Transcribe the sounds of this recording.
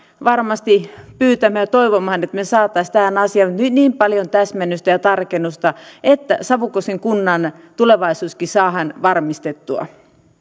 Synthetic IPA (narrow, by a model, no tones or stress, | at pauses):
ʋɑrmɑst̪ipyːt̪æmːæjt̪oiʋomhɑnet̪mesɑːt̪ːˑɑist̪æhænɑsiɑmut̪nyt̪niːmpɑljont̪æsmænːyst̪æjɑt̪ɑrkenːust̪ɑet̪ːæ̰sɑʋukoseŋkunːɑn | t̪uleʋɑisuːskisɑːhɑnʋɑrmist̪et̪ːuɑ̰